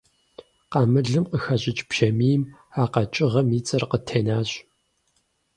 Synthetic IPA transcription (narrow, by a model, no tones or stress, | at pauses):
qɑːmɨɮɨmqəxɐɕʼɪt͡ʃʼb̥ʒ̥ɐmiːm | aːqɐt͡ʃʼɪʁɐmiːt͡sʼɨrqətʰeːnaːɕ